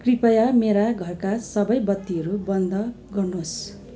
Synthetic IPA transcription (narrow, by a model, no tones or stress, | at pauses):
kripʌjameɾaɡʱʌrkasʌbʌjbʌt̪ːiɦʌɾubʌnd̪ʱʌ | ɡʌrnos